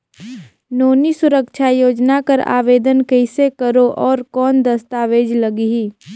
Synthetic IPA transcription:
noːnisʊɾəkʃʰajoːd͡ʒnakəɾa̰ːʋeːd̪ənkɛɪsekəɾoʔɔːɾkɔːnd̪əst̪aːʋeːd͡ʒləɡiɦiː

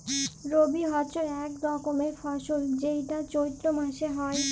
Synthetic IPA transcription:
ɾobiɦɔt͡ɕoɾɛk̚d̪ɔkomefʰɔʃold͡ʑejʈat͡ɕojt̪ːɾomãʃeɦɔe

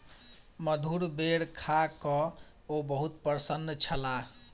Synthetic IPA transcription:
məd̪ʱuɾbeɽkʰakɔ | obəɦut̪̚pəɾsənːət͡ʃʰəla

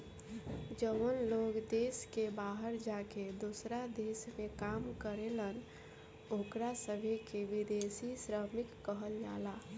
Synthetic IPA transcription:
d͡ʒəʋənloːɡd̪eːskebaːɦəɾd͡ʒaked̪usɾad̪eːsmẽkaːmkəɾelən | okɾasəbʱekeʋɪd̪eːsisɾəmɪkːəɦəld͡ʒaːlaː

